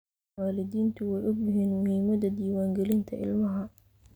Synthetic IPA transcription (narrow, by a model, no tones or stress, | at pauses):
aːlɪd̪iːnt̪ʰʊwɛjʔʊbɪhɪnmʊhiːmɐd̪ɐd̪iːwaːŋɡɛlɪnt̪ʰɐʔɪ̰lmɐɦɐ